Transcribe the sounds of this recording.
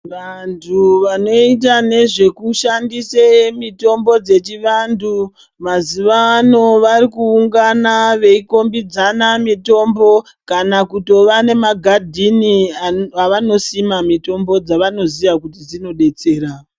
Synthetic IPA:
ʋantʰuʋano̞it̬ane̞ʐe̞kuʃandisemito̞mbo̞d͡ze̞t͡ʃiʋandu | maziʋaːno̞ʋaɾikuːŋɡanaʋe̞iko̞mbid͡zanamito̞mbo̞ | kanakuto̞ʋane̞maɡʱadʱiniaʋano̞simamito̞mbo̞d͡zaʋano̞ziʋakutid͡zino̞ɗe̞t͡se̞ːɾa

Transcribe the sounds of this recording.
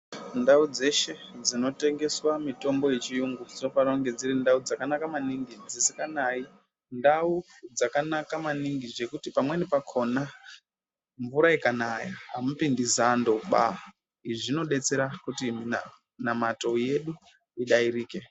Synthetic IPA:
ndaud͡ze̞ʃe̞d͡zino̞te̞ŋɡe̞swamito̞mbo̞jet͡ʃijuŋɡud͡zinofaɾauŋɡe̞d͡zirindaud͡zakanakamaniŋɡid͡zisikanai | ndau | d͡zakanakamaniŋɡiʐe̞kutipamwe̞nepakʰo̞na | ɱvuɾaikanajaɦamupindizando̞ɓa̰ | iʐino̞ɗe̞t͡se̞ɾakutimi | namato̞je̞ɗu | iɗaiɾiːke̞

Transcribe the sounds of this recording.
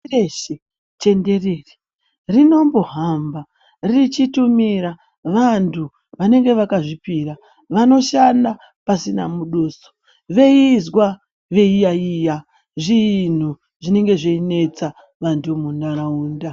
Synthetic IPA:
eʃe | t͡ʃe̞nde̞reːri̥ | rino̞mbo̞ɦamba | rit͡ʃitumiɾa | ʋantʰu | ʋane̞ŋɡe̞ʋakaʐipiɾa | ʋano̞ʃanda | pasina̰muɗoːso̥ | ʋe̞izwa | ʋe̞ijaiːja | ʐiːn̤u | ʐine̞ŋɡe̞ʐeine̞t͡sa | ʋantumunaɾauːnda

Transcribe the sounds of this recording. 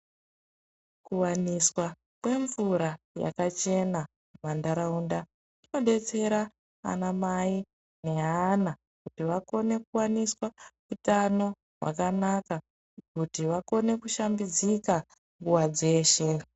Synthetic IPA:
kuwaniswa | kwe̞ɱvuɾa | ja̰kat͡ʃe̞na | mandaɾaunda | ino̞ɗe̞t͡se̞ɾa | a̰namai | ne̞ɦana | kutiʋako̞ne̞kuwaniswakutano̞ | ɦwa̰kanaka | kutiʋako̞ne̞kuʃambid͡zika | ŋɡuwad͡ze̞ːʃe̞

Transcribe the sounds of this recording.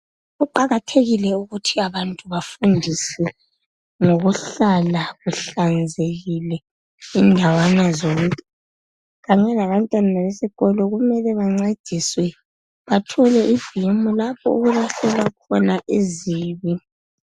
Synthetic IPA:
ɣuǃaɣatʰeɣilɛuɣutʰiaβantʼuβafundʱisɛ | ŋoɣuɬalaɣuɬand͡zʱeɣilɛ | indʱawanazoɣutʰʼi̥ | ɣaɲɛlaβantʼwananaβesiɣɔlɔɣumɛlɛβaŋ͡ǀed̥ʱiswɛ | βatʰɔlɛʔivimulapʰɔ̰ṵɣuβaɬɛlwakʰɔnaʔiziːβi

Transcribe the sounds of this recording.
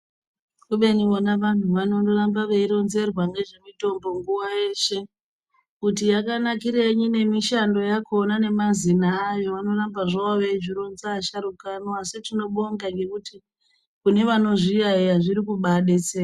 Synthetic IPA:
kuɓe̞nionaʋan̤uʋano̞ndoɾambaʋeiɾo̞nze̞rwaŋɡe̞ʐe̞mito̞mbo̞ŋɡuwaje̞ʃe̞ | kutijakanakiɾeɲine̞miʃando̞jakonane̞mazinaːjo̞ʋano̞rambaʐawaʋed͡ʒiɾo̞nzaːʃaɾukanoasitino̞ɓoŋɡaŋɡe̞kuti | kune̞ʋano̞ʐijaijaʐiɾikuɓaɗet͡se

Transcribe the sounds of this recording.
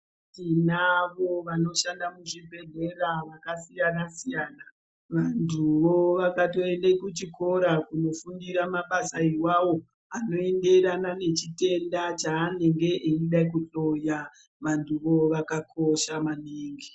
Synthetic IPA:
tinaʋo̞ʋano̞ʃandamuʐibʱe̞ɮe̞ɾaʋakasijanasijaːna | ʋantʰuʋo̞ʋakato̞e̞nde̞kut͡ʃiko̞ɾakuno̞fundiɾamaɓasaiwawo̞ | ano̞e̞nde̞ɾanane̞t͡ʃite̞ndat͡ʃaːne̞ŋɡe̞ʔeiɗak̬uɬo̞ja | ʋantuʋo̞ʋakakʰo̞ʃamaneːŋɡe

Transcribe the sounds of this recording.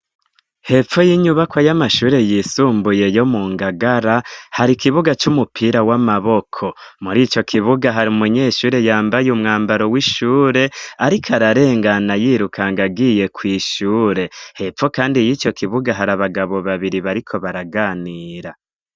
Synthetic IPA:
he̞fo̞jiːɲuβakwajamaʃuːɾe̞jisuːmbuje̞jo̞muːŋɡaɡaɾahaɾikiβuɡat͡ʃumupʰiːɾawamaβo̞kʰo̞muɾiːt͡ʃo̞kʰiβuɡaɦaɾimuɲe̞ːʃuːɾe̞jaːmbajumŋaːmbaɾo̞wiʃuːɾe̞aɾikʰaɾaɾe̞ːŋɡanajiɾukaŋɡaɡiːje̞kwiːʃuːɾe̞he̞fo̞kaːndijiːt͡ʃo̞kʰiβuɡaɦaɾaβaɡaβo̞βaβiɾiβaɾikʰo̞βaɾaɡaːniːɾa

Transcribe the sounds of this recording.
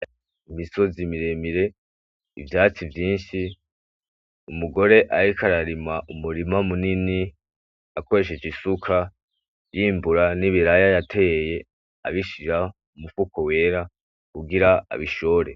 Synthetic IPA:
imiso̞zimiɾemiɾe̞ | ivjaːt͡sivjiːnʃi | umuɡo̞ɾe̞ʔaɾikaɾaɾimaʔumuɾimamunini | ako̞ɾe̞ʃ̬et͡ʃisukʰa | jiːmbuɾaniβiɾajajatʰe̞jeje̞ | a̰βiʃiɾa | umufukowe̞ːɾa | kuɡiɾaa̰βiʃoːɾe

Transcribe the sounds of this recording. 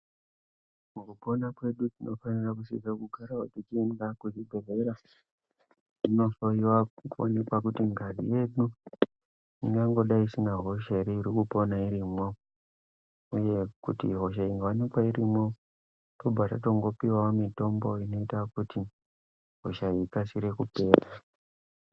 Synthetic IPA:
mukupo̞nakwe̞ɗutinofanirakusizekuɡʱaɾautit͡ʃːndakut͡ʃiɡʱe̞ve̞ɾa | ino̞so̞iwakuone̞kwakutiŋɡʱazḭje̞ɗu | iŋɡaŋɡo̞ɗaiisinaɦo̞ʃaiɾiːɾikupo̞naiɾimwo | uje̞kutiɦo̞ʃaiŋɡawanikwairimwo | to̞bʱatato̞ŋɡo̞piwaamito̞mbo̞ino̞itakuti | ɦo̰ʃaikasiɾe̞kupe̞ːra

